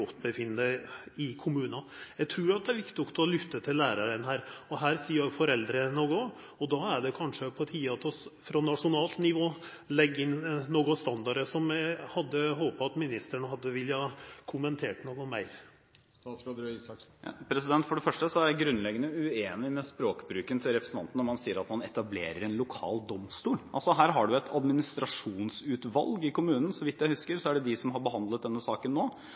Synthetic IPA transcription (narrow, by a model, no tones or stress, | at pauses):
ɔt̪ːbəfɪnːəəɪkʰʊmʉːnɑjæɡt̪ʰɾʉːɾɑt̪̚d̪ɛæɾʋɪkt̪ɪnɔkt̪ʰɔlʏt̪ːət̪ʰɪlːæːɾɑɾənɦæːɾɔɦæːɾsiːəɾjæfɔɾɛld̪ɾənoɡɔ | ɔd̪ɑæɖɛkʰɑnʂəpʰɔt̪ʰiːɑt̪ʰɔsfɾɑnɑʂʊnɑːlt̪nɪʋoː | lɛɡːɪnːoːɡɔst̪ɑnd̪ɑɾəsɔmhɑd̪ːəɦoːpəɑt̪mɪnɪst̪əɳəɦɑd̪ːəʋɪlːəhɑkʰʊmənt̪ʰeːʈnoːɡɔmæɪ | pʰɾɛsɪd̪ɛnt̪fɔɖɛfœʂʈəsɔæjæɡɾʉnːlɛɡːənəjʊʉeːnɪmɛspɾoːkbɾʉːkənt̪ʰɪlɾɛpɾəsən̩t̪ʰɑnt̪n̩ːɔmɑnsiːəɾɑt̪mɑnɛt̪ɑbleːɾəɾɛnlʊkʰɑ̰ːld̪ɔmst̪uːlʔɑlsɔɦæːɾɦɑɖʉɛt̪ʰɑd̪mɪnɪst̪ɾɑʂuːnsʉːt̪ʋɑ̰lɡɪkʊmʉːnən̩sɔʋɪt̪ːjæɪhʉskəɾsɔæɖɛd̪ɪsɔmɦɑɾbəɦɑnd̪lət̪̚d̪ɛnːəsɑːkənːoː